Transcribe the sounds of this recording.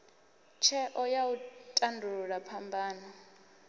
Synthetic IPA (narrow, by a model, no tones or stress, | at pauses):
t͡ʃʰɛʔɔjautʼandʱuɺapʰambaːna